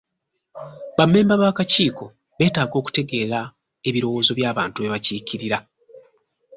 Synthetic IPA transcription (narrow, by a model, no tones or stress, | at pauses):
βamːe̞ːmbaβaːkaciːko̞ | βe̞ːtaːɡo̞ːku̥te̞ɡe̞ːɾa | e̞βiɾo̞wo̞ːzo̞βjaːβaːntue̞βaciːciɾiɾa